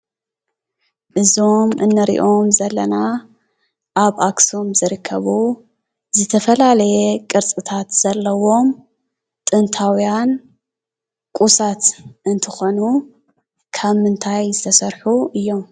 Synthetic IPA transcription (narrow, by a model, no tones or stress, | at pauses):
ʔɨzo̞mʔɨnːɐɾḭʔo̞mzɐlːɐna | ʔaβakso̞mzɨɾɨkʰːɐβu | zɨt̪ʰɐfɐlalɐjekʼɨɾt͡sʼɨt̪ʰat̪z̥ɐlːɐwo̞m | t̪ʼɨnt̪ʰawijan | kʼusat̪ʔɨnt̪ʰɨxo̞nu | kʰaβmɨnt̪ʰajzɨt̪ʰɐsɐɾħuʔɨjːo̞m